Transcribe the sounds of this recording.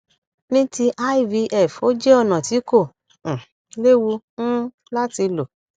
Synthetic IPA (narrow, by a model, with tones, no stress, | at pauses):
nĩ˦ti˧ʔa˦i˦˨vi˧ʔɛ˨fo˨˦d͡ʒe˦ɔ˦˨nã˨ti˨˦kõ˦˨ | le˦wũ˧˦ | la˦ti˧lo˨